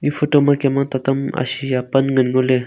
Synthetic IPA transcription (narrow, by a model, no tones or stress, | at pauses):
ifotomakemat̪at̪ama̰sijapanŋənŋole